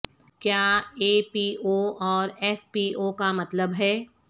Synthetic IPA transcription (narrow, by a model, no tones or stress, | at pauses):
kjaːeːpiːʔoːɔːɾɛːfpiːoːkamɐt̪ləbɦɛː